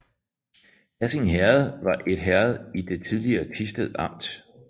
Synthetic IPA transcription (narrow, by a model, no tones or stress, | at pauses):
hæseŋɦæɐð̩ˠʋɑ̈ʔe̝d̥ɦæɐð̩ˠid̥e̝t͡sʰið̞ˠliɐːt͡sʰisd̥eðˠɑ̈m̰d̥